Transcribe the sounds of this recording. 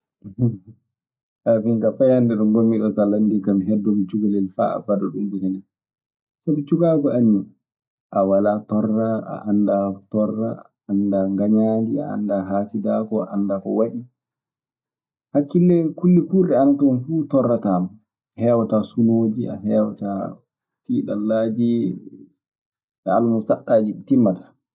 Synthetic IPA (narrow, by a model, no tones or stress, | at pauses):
ʔafiŋkafajandɛɗɔŋɡomːiɗɔtalːandikamɦɛdːɔmit͡ʃuɡalɛlfa̰ːa̰badɔɗumbinɛnɛ | sabit͡ʃuɡaːkɔani | ʔawalatɔrːaʔa̰ʔandatɔrːaː | ndaŋɡaɲaːdia̰a̰ndaɦaːsidaːkɔa̰ʔandakɔwaɗi | hakːilːɛkulːikuɾɗɛanatɔnfuːtɔrːataːma | hɛːwatasuloːd͡ʒiʔa̰ɦɛːwata | tiːɗalːad͡ʒi | ɛalmusaɗːaːd͡ʒitimːatḁ